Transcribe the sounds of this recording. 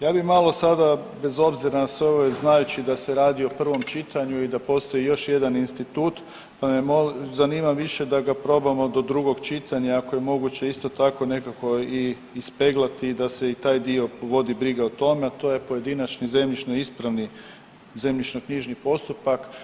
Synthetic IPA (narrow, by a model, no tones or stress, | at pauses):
jaːbixmalo̞sad̪abe̞zo̞bziɾanasʋeo̞ʋojeznajut͡ɕid̪ase̞ɾaːd̪io̞pr̩ʋo̞mt͡ʃit̪ʰaɲuid̪apo̞st̪ojijo̞ʃje̞d̪aninst̪it̪uːt̪ | pamemozaniːmamʋiʃe̞d̪aɡapɾo̞bamo̞d̪o̞d̪ɾuɡo̞ɡt͡ʃit̪ʰaɲaakoje̞mo̞ɡut͡ɕe̞ist̪o̞t̪ako̞ne̞kako̞iː | spe̞ɡlˠat̪iːd̪ase̞it̪aːjd̪io̞ʋo̞d̪ibɾiɡaot̪o̞meat̪o̞ːje̞po̞je̞d̪inat͡ʃnize̞mʎit͡ʃnoispɾaʋni | ze̞mʎit͡ʃnokɲiʒnipo̞st̪upak